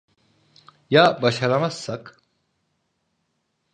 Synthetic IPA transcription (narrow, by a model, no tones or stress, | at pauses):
jabɐɕɐɾɐmɐsːɐk